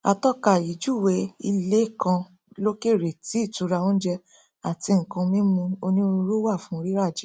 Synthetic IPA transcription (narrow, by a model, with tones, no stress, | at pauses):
a˨tɔ˦ka˨i˨d͡ʒu˦˨we˧i˧le˦˨kã˧ | lo˦ke˦˨ɾe˨ti˨˦i˦˨tu˧˦ɾa˧õ˦d͡ʒɛ˧ | a˨ti˧ŋ̩˨kã˧mĩ˦mũ˧o˧nĩ˦o˧ɾu˧ɾo˦wa˦˨fũ˦˧ɾi˦ɾa˦˨d͡ʒe˨˦